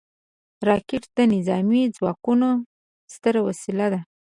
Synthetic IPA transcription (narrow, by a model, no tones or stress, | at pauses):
ɾɑkɪʈd̪̥ənɪzɑmid͡zwɑkuno | st̪əɾawasilad̪a